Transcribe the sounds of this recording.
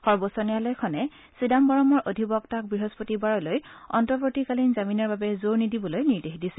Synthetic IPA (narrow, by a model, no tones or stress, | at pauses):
xɔɹbɔsɔnijalojkʰɔnɛ | sidambɔɹɔmɔɹʔodʱibɔktak̚bɹiɦospotibaɹɔlojɔntɔpotikalinzaminɔɹbabɛzoɹnidibɔlojniɹdexdisɛ